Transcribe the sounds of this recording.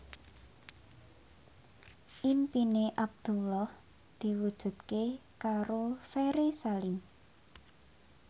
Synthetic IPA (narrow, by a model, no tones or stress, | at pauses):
ʔimpineʔab̚d̪̥ṳlɔh | d̪̥i̤wud̥ʒ̥ṳd̪̚kekaɾofeɾesalɪm